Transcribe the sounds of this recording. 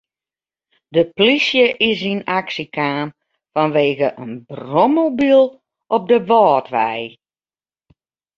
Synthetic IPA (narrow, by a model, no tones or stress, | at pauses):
dəplisjəʔɪsinaksikʰaːn | fɔnʋeːɣəʔənbromobilˠ | ʔɔp̚dəʋɔːtʋɛj